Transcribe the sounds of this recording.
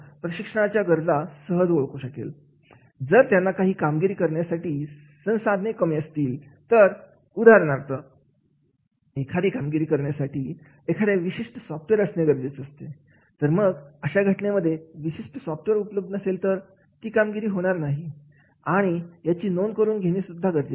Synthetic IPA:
pɾəɕikʂəɳ̃at͡ɕjaɡəɾd͡zasəɦəd͡zboɭkoɕəkḛl | d͡zəɾt̪janːakaɦiːkamɡiɾiːkəɾɳjasaʈiː | sə̃w̃sad̪ʱnekəmiəst̪iːlt̪əɾ | ud̪ʱaɾɳ̃aɾt̪ə | ekʰad̪ʱiːkamɡiɾiːkəɾɳjasaʈiː | ekʰaɽeʋiɕiʂʈəsɔfʈʋeɾəsneɡəɾd͡zet͡səst̪e | t̪əɾməɡəɕaɡʱəʈɳeməd̪ʱːjeʋiɕiʂʈəsɔfʈʋeɾupləb̚d̪ənəselt̪əɾ | t̪iːkamɡiɾiːɦoɽ̃aɾnaɦi | aɽ̃ijat͡ɕiːnonkəɾuːnɡʱeɽ̃isud̪ʱːaɡəɾd͡ze

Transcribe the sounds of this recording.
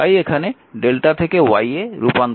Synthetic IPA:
ajekʰane | ɖelʈat̪ʰekewajeɾupan

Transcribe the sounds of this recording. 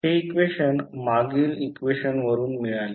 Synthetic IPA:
ɦeikʋeɕənmaɡiːlikʋeɕənʋəɾuːnmiɭale

